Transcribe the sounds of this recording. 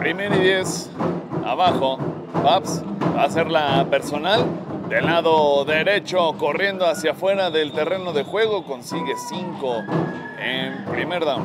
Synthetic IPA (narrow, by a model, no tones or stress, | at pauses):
pɾime̞ɾiðjes | a̰βaxo̞ | bapsbaːse̞ɾlape̞ɾso̞nald̪e̞laðo̞ðe̞ɾe̞t͡ʃo̞ko̞rje̞nd̪o̞asjafwe̞ɾaðelt̪e̞re̞no̞ðe̞xwe̞ɣ̞o̞ko̞nsiɣe̞siŋko̞ | enpɾime̞ɾðam